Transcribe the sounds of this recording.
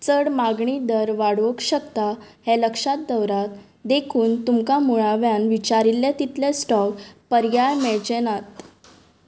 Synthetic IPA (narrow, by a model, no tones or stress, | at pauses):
t͡səɽmaɡɳid̪əɾʋaɽʋəkɕəkt̪aheləkʂat̪̚d̪əwɾat̪ | d̪ekʰuːnt̪umkamuɭaʋjanʋit͡ɕaɾilet̪it̪lesʈɔkpəɾjajmeɭt͡ɕenat̪